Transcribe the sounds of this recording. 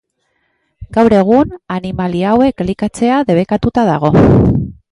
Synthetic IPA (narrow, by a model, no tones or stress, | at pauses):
ɡawɾe̞ɣ̞unanimaliawe̞klikat͡se̞aðe̞β̞e̞kat̪ut̪aða̰ɣ̞o̞